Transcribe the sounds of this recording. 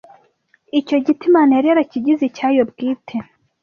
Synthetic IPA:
ico̞ɟitimaneɾeɾaciɟizicaːjobɡiːtʰe

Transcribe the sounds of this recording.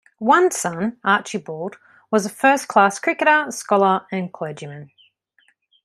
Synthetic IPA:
wʌ̃nsʌ̃nʔɑˑt͡ʃibɔːd | wɒzəfɜˑskʰl̥ɑˑskʰɹ̥ɪkəɾəskɒlˠəə̃nkʰl̥ɜːd͡ʒimə̃n

